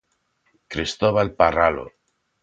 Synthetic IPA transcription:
kɾist̪oβalparalo̰

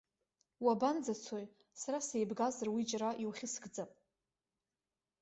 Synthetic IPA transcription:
waband͡zat͡sʰoj | saɾasejbɡazarwid͡ʒraʔiwχʲɪsɡʼd͡zapʼ

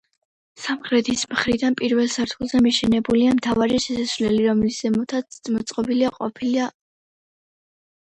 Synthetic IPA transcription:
samχɾɛt̪ʰismχɾid̪anpʼiɾvɛlˠsaɾt̪ʰulˠzɛmiʃɛnɛbuliamt̪ʰavaɾiʃɛsasvlɛliɾɔmliszɛmɔt̪ʰat̪mɔt̪sʼqʼɔbiliaqʼɔ̰pʰilia

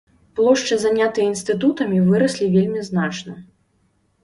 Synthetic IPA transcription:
plˠɔʂt͡ʂɨzanʲat̪ɨjɐinst̪ɨt̪̬ut̪ɐmʲivɨɾɐsʲlʲivʲelʲmʲiznat͡ʂnɐ

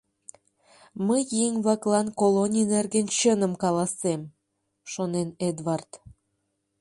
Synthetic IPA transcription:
məjːiŋβɑklɑnkolonʲinerɡent͡ɕənə̆mkɑlɑsem | ʃonened̪βɑrt̪

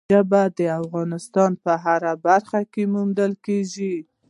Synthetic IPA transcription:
abad̪əafɣɑnɪst̪ɑnpəɦaɾabaɾxakemund̪əlkeʒi

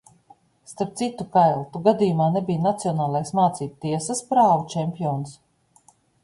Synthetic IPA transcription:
st̪aɾp̚t̪sit̪ukajlˠt̪uɡad̪iːjumaːnebijnat̪siɔnaːlˠajsmaːt̪siːt̪̚t̪iɛsaspɾaːvut͡ʃɛmʲpʲijɔːns

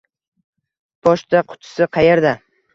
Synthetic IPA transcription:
b̥ɒʃt̪ʰaqʰʊ̥t̪ʰɪ̥sɪqʰɑjeɾd̪a

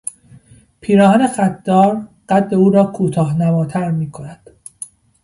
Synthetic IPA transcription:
pʰiːɾɒːɦænexæt̪̚ʰd̪ːɒːɾɢ̥æt̪ːe̞uːɾɒːkʰuːt̪ʰɒːɦnæmɒːt̪ʰæɾmiːkʰo̞næd̪̥

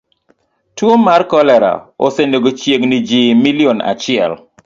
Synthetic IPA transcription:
twomarkɔlɛɾa̰o̰senoɡot͡ʃjeknid͡ʒimiliona̰t͡ʃɪɛl

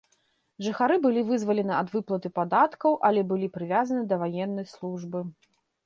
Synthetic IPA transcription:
ʐɨxaɾɨbɨlʲivɨzvɐlʲɛnɨɐd̪vɨplˠɐt̪ɨpad̪at̪kɐwʔɐlʲɛbɨlʲipɾɨvʲazɐnɨd̪ɐvajɛnːɐjslˠuʐbɨ

